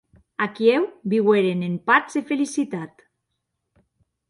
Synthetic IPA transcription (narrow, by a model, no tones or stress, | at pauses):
akiewbiɣweɾenempazefelisit̪at̪